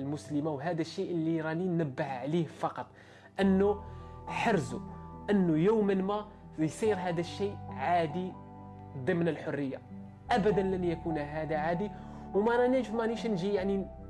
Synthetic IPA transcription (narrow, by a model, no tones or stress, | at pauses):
əlmʊsləmawɦæd̪æʃːiʔəlːiɾˤɑninnəbːəhʕlihfɑqɑt̪ˤ | ʔənːuħɑɾzuʔənːujuwmənmæ | jsˤiɾɦæd̪æʃːiʔʕad̪i | d̪ˤəmnəlħʊrːəjːa | ʔæbæd̪ənlənjækunɦæd̪aʕad̪i | wmæɾænəʒfmæniʃnʒijaʕni